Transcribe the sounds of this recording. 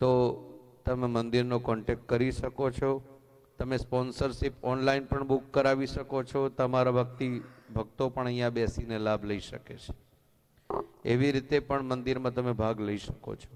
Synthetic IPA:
t̪ot̪əmemənd̪iɾnokɔɳʈek̚ʈ̚kəɾiʃəkot͡ʃʰɔ | t̪əmespɔnsəɾʃipɔnlainpəɳbukːəɾaʋiʃəkot͡ʃʰɔt̪əmaɾabək̚t̪ibʱəɡ̚t̪opəɳəɦjãbɛsinelabʱləiʃə̰ket͡ʃʰe̥ | eʋiɾit̪epəɳmənd̪iɾmãt̪əmebʱaɡləiʃəko̰t͡ʃʰɔ̥

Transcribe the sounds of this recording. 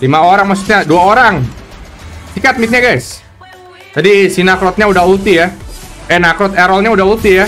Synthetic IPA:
limaoɾaŋmas̬u̥t̪̚ɲaduaoɾaŋ | sikat̪̚mit̪̚ɲaɡajs | d͡ʒadisinakɾɔt̪̚ɲaudahut̪ijaɛnakɾɔt̪eɾɔlɲaudahut̪ija

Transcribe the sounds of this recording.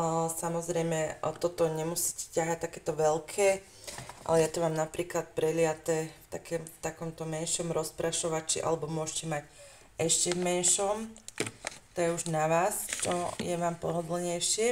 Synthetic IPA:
samɔzɾɛjmɛt̪ɔt̪ɔɲɛmusiːcɛ̥caɦat̪akɛːt̪ɔʋɛlkʰɛː | ʔa̰lɛjat̪ɔʋaːmnapɾiːklat̪̚pɾɛlɪat̪ɛːft̪a̰kɛːmft̪akɔmt̪ɔmɛnʃɔmɾɔspɾaʃɔʋat͡ʃḭʔa̰lɛbɔmʊɔʃcɛmac | ɛʃcɛvmɛnʃɔm | t̪ɔjɛuʒnaʋaːst͡ʃɔ̰jɛʋaːmpɔɦɔd̪l̩ɲɛjʃɪɛ

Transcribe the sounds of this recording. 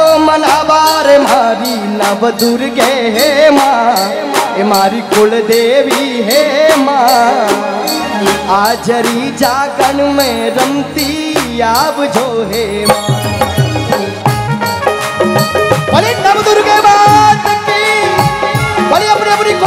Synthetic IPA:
omɐnaːbaɾemaɾi | nəʋd̪uɾɡeɦema | emaɾikʊld̪eʋiɦema | ad͡ʒəɾid͡ʒaːɡəɳmẽɾəmt̪i | jabd͡ʒʱoɦe | mã | pəlinɐʋd̪uɾɡemasək̚t̪i | pəliəpnĩəpnik

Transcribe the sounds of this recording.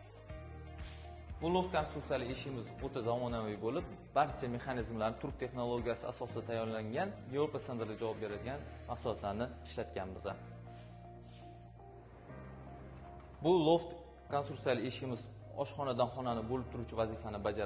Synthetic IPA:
bʊlˠoft̪̚kʰonsuɾt̪sijalɪe̞ʃʲɪmɪzot̪ʰazamɒnavɪjbolɪp̚b̥aɾt͡ʃʰame̞χanizmlaɾnɪt̪ʰʊɾk̚ʲt̪ʰe̞χnolˠoɡʲijasɪa̰sɒsɪd̪at̪ʰajːɒɾlaŋɡʲanjevɾopasand̪ɾd̪ad͡ʒavɒp̚be̞ɾad̪ɪɡʲanmaqsʊlɒt̪laɾnɪɪʃlat̪kʲanbɪza | bʊlˠoft̪ | kʰonsuɾsialɪe̞ʃʲɪmɪz | ɒʃχɒnad̪anχɒnanɪbolɪp̚t̪ʰʊɾut͡ʃʰɪvazɪfanɪbad͡ʒaɾ

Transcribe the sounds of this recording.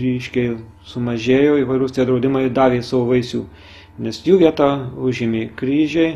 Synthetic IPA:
ɾʲiːʃʲkʲɛɪ | sʊmɐʒʲeːjoːiːʋɐɪɾuʊsʲt̪ʲɛd̪ɾɐʊd̪ʲɪmɐɪd̪ɑːʋʲeːsɑʋoːʋɐɪsʲṵː | nʲɛsjuːʋʲiɛt̪ɑʊʒʲɪmʲeːkɾʲiːʒʲɛɪ

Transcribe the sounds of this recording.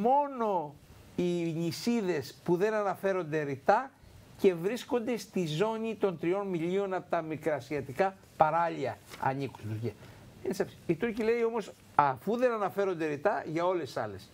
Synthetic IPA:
mo̞no̞ | iɲisiðe̞spuðe̞nɐnɐfe̞ɾo̞nd̪e̞ɾit̪ɐ | ce̞vɾisko̞nd̪e̞st̪izo̞ɲit̪o̞nt̪ɾio̞nmiʎio̞nɐpot̪ɐmikɾɐsiɐt̪ikɐ | pɐɾɐʎiɐɐ̰ɲiku̥st̪uɾciɐ | ensɐfsi̥it̪uɾcile̞io̞mo̞s | ɐfuðe̞nɐnɐfe̞ɾo̞nd̪e̞ɾit̪ɐʝɐo̞le̞sɐ̰le̞s

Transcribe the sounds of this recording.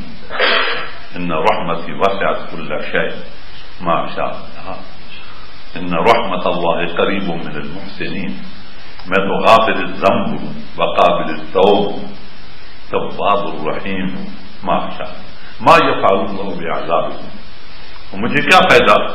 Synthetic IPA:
ʔɪnːaɾˤɑħmat̪iwasɪʕat̪kʊlːʃeːʔ | maʕaʃa̰ːblha | ʔɪnːaɾˤɑħmaɑlˤːɑːhiqɑɾiːbʊmɪnɪlmʊħsɪniːn | mat̪uɣaːfɪlɪzamb | baqɑːbɪlɪt̪ːawːb | t̪afːɑːd̪ɑrˤːɑħiːm | ma̰ʕaʃa̰ː | majafʕaluːnɑlˤːɑːhbɪʔa̰ʕzaːbɪhʊ̰m | wmɪd͡ʒikaːfhajd̪a

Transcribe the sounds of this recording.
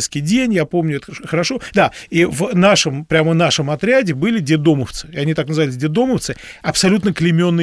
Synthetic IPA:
t̪skʲɪjdʲenʲjapo̞mnʲʊɛt̪əəxəɾɐʂo̞d̪aivnaʂəmpɾʲaməvnaʂəmɐt̪ɾʲadʲɪbɨlʲɪdʲɪd̪oməft̪sɨ̥ɪɐnʲit̪aknəzɨvalʲɪs̬ʲdʲɪd̪o̞məft̪sɨ | ɐpsɐlʲut̪nəklʲɪmʲo̞nːɨ

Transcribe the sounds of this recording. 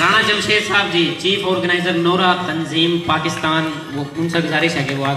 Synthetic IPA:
ɾaːɽ̃aːt͡ʃəlʃeːsaːb̚d͡ʑiːt͡ʃiːfoːɾɡənaːɪzəɾnoːɾaːt̪ɐnziːmpaːkɪst̪aːn | ʋoːʊnsaːɡʊzaːɾɪʃakeʋoːaː

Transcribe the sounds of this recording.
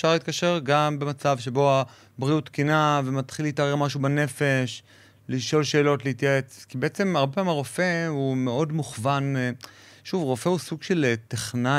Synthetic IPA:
ʃaʁleit̚kaʃe̞ʁɡambe̞mat͡savʃe̞bo̞a | bʁiut̪kinave̞mat̪χileitaʁeʁmaʃubane̞fe̞ʃ | liʃo̞lʃe̞ːlo̞tleit̪jaet͡skibeet͡se̞maʁbe̞paimhaʁo̞fe̞umeo̞dmuχvan | ʃuvʁo̞fe̞usuɡʃe̞lt̪eχna

